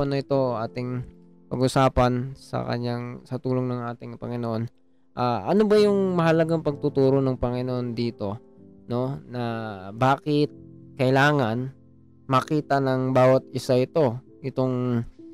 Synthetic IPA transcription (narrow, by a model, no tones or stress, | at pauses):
ɐnoɪt̪o̞ʔaːt̪ɪŋ | pɐ̰ɡʊsaːpɐnsɐ̰kɐ̰ɲaŋsɐt̪uːloŋnɐŋʔaːt̪ɪŋpɐ̰ŋɪnoʔo̞n | ʔaːʔɐno̞bɐjʊŋmɐhɐlɐɡaŋpɐɡ̚t̪ʊt̪uːɾo̞nɐŋpɐŋɪnoʔond̪iːt̪o̞ | no̞nɐbaːkɪt̪̚kɐɪlaːŋɐn | mɐkiːt̪ɐnɐŋbaːwɐt̪̚ɪsaʔɪt̪o̞ | ʔɪt̪o̞ŋ